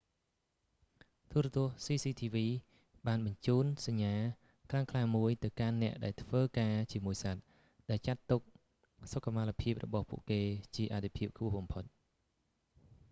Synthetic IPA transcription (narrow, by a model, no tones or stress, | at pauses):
t̪uəɾɛt̪ŭəhsiːsiːt̪ʰiːʋiː | ɓaːnɓɑɲt͡ɕuːnsaɲːaː | kʰlaŋkʰlaːmuəjt̪ɨwkanːɛ̆əʔɗaɛlt̪ʰʋəːkaːt͡ɕiəmuəjsat̪̚ | ɗaɛlt͡ɕat̪ːuk̚ | sokːamalapʰiəp̚rɔ̰ɓɑhpṵ̆əʔkeːt͡ɕiəʔat̪ʰːepʰiəp̚kʰpŭəhɓɑmpʰot̪̚